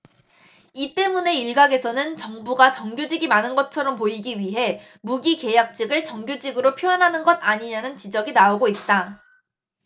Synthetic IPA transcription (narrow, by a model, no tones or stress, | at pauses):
it͈e̞mune̞iɭɡaɡe̞sʰʌnɯnt͡ɕʌŋbuɡat͡ɕʌŋɡjod͡ʑiɡimanɯnɡʌt͡ɕʰʌɾʌmpoiɡiɥiɦe̞ | muɡike̞jak̚t͡ɕ͈iɡɯɭt͡ɕʌŋɡjod͡ʑiɡɯɾopʰjojʌnɦanɯnɡʌdaɲiɲanɯnt͡ɕid͡ʑʌɡinaoɡoit̚t͈a